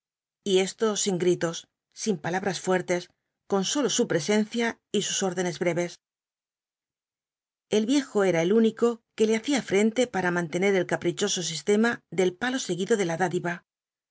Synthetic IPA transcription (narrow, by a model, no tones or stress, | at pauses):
ie̞st̪o̞siŋɡɾit̪o̞sː | impalaβɾasfwe̞ɾt̪e̞s | ko̞nso̞lo̞supɾe̞se̞n̟θja | isuso̞ɾðe̞ne̞zβɾe̞βe̞s | e̞lβje̞xo̞e̞ɾae̞luniko̞ke̞le̞aθiafɾe̞nt̪e̞paɾamãnt̪e̞ne̞ɾe̞lkapɾit͡ʃo̞so̞s̬ist̪e̞maðe̞lpalo̞se̞ɣiðo̞ðe̞laðaðiβa